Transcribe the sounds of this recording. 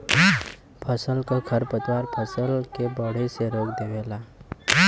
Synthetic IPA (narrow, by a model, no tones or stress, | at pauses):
pʰəsəlkoɡʰʱəɾpət̪waːɾpʰəsəlkebəɽ̤eseɾoːkd̪eːʋeːlaː